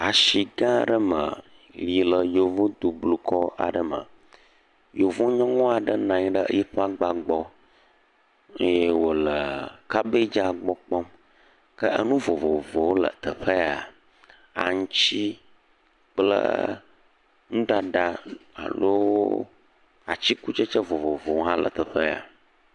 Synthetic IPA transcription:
a˨ʃi˨ɡã˦˨ɖə˦mə˨ | li˨lə˨jo˨vũ˦d̪u˨blu˨kʰɔ˦a̰˨ɖə˨mə̰˨ | jo˨vũ˦ɲɔ̃˦ŋɔ̃˦a˨ɖə˦nã˨ɲ˦ɖə˦ə̰˦ji˦ɸa˦ɡ͡ba˨ɡ͡bɔ˦ | je˦wo˨lə˨ka˦be˦d͡ʒa˦ɡ͡bɔ˦k͡pɔ˦m | kə˦ʔə˦nũ˦vo˨vo˨vo˨wo˦lə̰˨t̪ə˨ɸə˦a˨ | a̰˨ŋũ˦t͡ɕi˦ | k͡plə̰˦ | ŋũ˦ɖa˦ɖa˦a̰˨lo˦ | a˨t͡ɕi˦ku˦t͡ʃə˦t͡ʃə˦vo˨vo˨vo˨ŋ˦ɦã˦lə̰˨t̪ə˨ɸə˦a̰˨

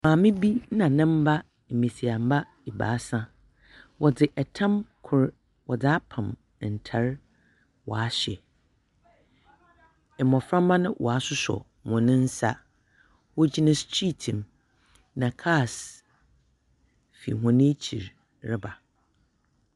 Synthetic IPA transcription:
mã˨mɪ̃˦bi˦nã˨nɪ̃˦m̩˦ba˦ | m̩˨mĩ˨si˨a˨m̩˦ba˦ | i˨ba̰ː˨˦sã˦ | wʔɔ˨dɪ˨ʔɛ˨tʰã˦mkʰʊ˨ɾ | wɔ˨dɪ˨a˦pʰã˨m˨ | n̩˨tʰa˨ɾ | wɔ̰˨a˦ɕɛ˨ | ɛ˨mɔ̃˨fɾã˦mː˦ã˦nʊ̃˦wʔɔ̰˨a˦sʊ˦sɔ̰˨ | mʊ̃˨nɪ̃˦n̩˦sa˦ | wɔ˦d͡ʑi˦nɪ̃˦stʰi˦tʰĩ˨m | nã˨kʰa˦˨s | fḭ˨ɦɔ̃˨nɪ̃˦t͡ɕʰi˨ɾ | ɾɪ˦ba˨

